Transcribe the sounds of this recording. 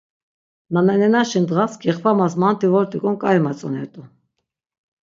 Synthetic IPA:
nanɛnɛnaʃind̪ʁaskɛχvamasmant̪ʰivɔɾt̪ʼikʼɔmkʼaimat͡sʼɔnɛ̰ɾt̪ʼu

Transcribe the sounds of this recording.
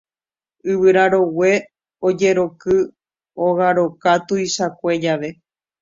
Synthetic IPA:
ɨβɨɾaɾo̞we̞ | o̞d͡ʒe̞ɾo̞kɨ | oɣaɾo̞kat̪uiʃakʷe̞d͡ʒaʋe̞

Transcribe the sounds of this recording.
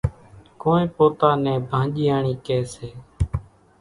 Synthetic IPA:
koːnẽːpoːt̪aːnɛ̃ːbʱãːʄiːaːɳiːkɛːseː

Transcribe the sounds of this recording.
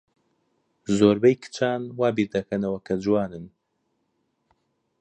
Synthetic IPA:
zoːɾbɛjkɨ̥t͡ʃʰaːnwaːbiɾd̪ɐkʰɐnɐwɐkʰɐd͡ʒuwaːnɨn

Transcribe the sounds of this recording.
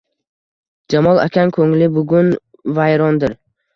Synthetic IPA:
d͡ʒamɒlˠa̰kʲʰankʰɵŋlɪbʊɡʲʊn | vajɾɒnd̪ɪɾ

